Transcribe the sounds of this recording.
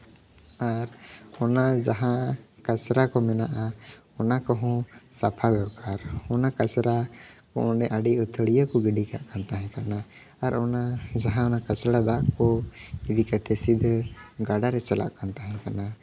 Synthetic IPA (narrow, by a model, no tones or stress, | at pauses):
aɾɔnad͡ʒaɦãkat͡ʃɾakɔmɛnaʔa | ɔnakɔɦɔ̃sapʰad̪ɔkaɾɔnakat͡ʃɾakɔ̰ʔɔ̃ɖɛʔaɖiɔt̪ʰəɽijɔkɔɡiɖika̰ʔkant̪aɦɛ̃kanaː | ɾɔnad͡ʒaɦãɔnakat͡ʃɾad̪akɔid̪ikat̪ʰɛsid̪ɡaɖaɾɛt͡ʃɛla̰ʔkant̪aɦɛ̃kana